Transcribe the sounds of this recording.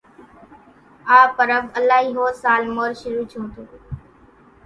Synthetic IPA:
aːpəɾəbəlaːɦiːɦoːɾsaːlmoːɾʃʊɾuːt͡ʃʰõːt̪ʰoː

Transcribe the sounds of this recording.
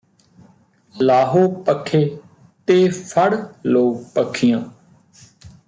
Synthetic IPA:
laːɦoːpəkʰːeː | t̪eːfʰəɽloːɡpəkʰːɪjãː

